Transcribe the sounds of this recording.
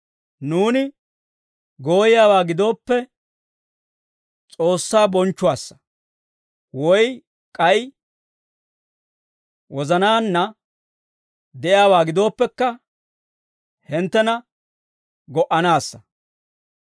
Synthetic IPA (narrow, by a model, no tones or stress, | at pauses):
nuːnɪ | ɡo̞ːjɪjaːwaːɡɪd̪o̞ːpːɛ | t͡sʼo̞ːsːaːbɔnt͡ʃːʊwaːsːɐ̥ | wɔj | kʼɐjɪ | wɔzɐnaːnːɐ | d̪ɛʔɪaːwaːɡɪd̪o̞ːpːɛkːɐ | hɪnt̪ːɛnɐ | ɡɔʔɐnaːsːɐ̥